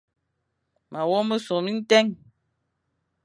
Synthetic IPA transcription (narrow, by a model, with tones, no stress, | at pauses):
ma˨wɔ˦mə˦so˨mi˦n̩˦tɛ˦ŋ